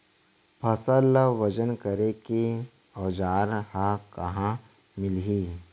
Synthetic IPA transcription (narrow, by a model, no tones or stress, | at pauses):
pʰɐsələʋɐd͡ʒənkəɾeki | ɔːd͡ʒaːɾhakɐɦã | mɪlɦiː